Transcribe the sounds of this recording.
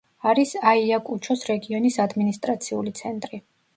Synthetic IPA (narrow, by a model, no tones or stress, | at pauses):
aɾisaiakʼut͡ʃʰɔsɾɛɡiɔnisad̪minist̪ʼɾat̪sʰiulit̪sʰɛnt̪ʼɾi